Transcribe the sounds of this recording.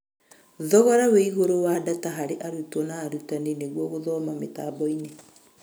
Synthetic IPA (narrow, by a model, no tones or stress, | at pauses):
ðɔɣɔɾaweiɣoɾowadataɦaɾeʔaɾutwɔnaːɾutaneneɣwɔɣoðɔmametaːbɔine